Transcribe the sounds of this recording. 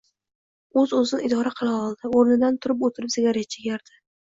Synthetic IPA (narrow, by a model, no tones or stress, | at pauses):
ɵzɵzɪnɪɪd̪ɒɾaqʰɨlˠaɒlˠd̪ɪoɾnɪd̪ant̪ʰʊɾɪpot̪ʰɪɾɪpzɪɡʲaɾet̪̚t͡ʃʰɪɡʲaɾd̪̥ɪ